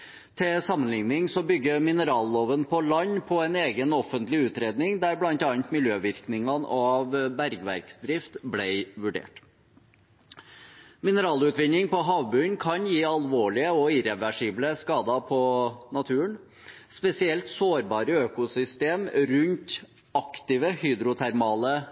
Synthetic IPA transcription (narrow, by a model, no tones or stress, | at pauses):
t̪ʰɪlsɑmːənlɪŋnɪŋsɔbʏɡːəmɪnəɾɑːlːoːʋənpʰɔlɑɲːpʰɔɛneːɡənɔfənt̪lɪʉːt̪ɾeːd̪nɪŋd̪æɾblɑnt̪ɑnt̪mɪljøːʋɪɾknɪŋɑnɑʋbæɾɡʋæ̰ɾksd̪ɾɪft̪blæɪʋʉɖḛːʈ | mɪnəɾɑːlʉːt̪ʋɪnːɪŋpɔɦɑːʋbʉnkʰɑnjiːɑlʋoːɭɪəɔɪɾɛʋæʂiːbləskɑːd̪ɑpʰɔnɑt̪ʰʉːəɳ | spɛsɪɛlt̪soːɾbɑːɾəøːkʊsʏst̪eːmɾʉnt̪ | ɑkt̪ɪʋəhyːd̪ɾʊt̪ʰæɾmɑːlə